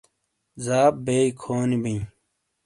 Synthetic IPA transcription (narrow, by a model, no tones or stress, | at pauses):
zaːp̚beːikʰoːnibĩĩ